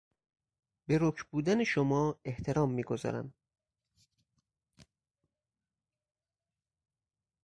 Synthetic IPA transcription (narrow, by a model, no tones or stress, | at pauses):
be̞ɾokʰbuːd̪æneʃomɒːe̞ht̪ʰe̞ɾɒːmːiːɡozɒ̰ːɾæ̰n